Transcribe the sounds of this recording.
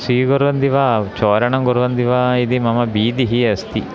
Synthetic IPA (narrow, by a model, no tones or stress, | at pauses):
siːɡoɾuʋɐnd̪iʋaːt͡ʃoːɾɐɳɐŋɡoɾʋɐnd̪iʋaːid̪imɐmɐbiːd̪iɦiɐst̪i